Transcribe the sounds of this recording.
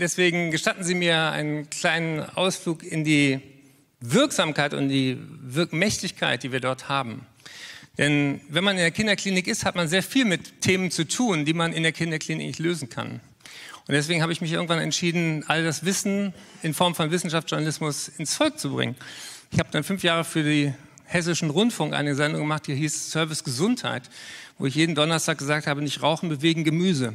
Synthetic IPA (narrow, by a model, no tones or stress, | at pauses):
d̥ɛsv̥eːɡŋ̩ɡəʃtatn̩ziːmiːɐa̰ɪnənkl̥aɪnəna̰ʊsfluːkɪndiː | vɪɐkz̥aːmkaɪtʊ̰nd̥iːvɪɐkmɛçtɪçkʰaɪt̚d̥iːviːɐdɔɐthaːbm̩ | d̥ɛnvɛnmanɪndeːɐkʰɪndɐkl̥iːnɪkɪsthatmanzeːɐfiːlmɪtʰːeːmənt͡sutʰuːndiːmanɪndeːɐkʰɪndɐkl̥iːnɪ̰knɪçløːzn̩kʰa̰n | ʊntd̥ɛsv̥eːɡŋ̩haːbəɪçmɪç̬ʔɪɐɡŋ̩tv̥anɛ̰ntʃiːdn̩ʔaldasv̥ɪsn̩ | ɪnfɔɐmfɔnvɪsn̩ʃaftt͡szʒ̥ʊɐnalɪsmʊsɪnsfɔlk̚t͡subʁɪ̰ŋənʔɪçhaːbəd̥anfʏnfjaːʁ̞əfyːɐde | hɛs̬ɪʃn̩ʁʊntfʊŋkʔa̰ɪnəzɛndʊŋɡəmaχt̚d̥ihiːssœɐvɪsɡ̥əzʊntha̰ɪtvo̰ːɪçjeːdn̩dɔnɐstʰaːk̚ɡ̥əzaːk̚thaːbənɪçtʁaʊxn̩bəveːɡŋ̩ɡəmyːzə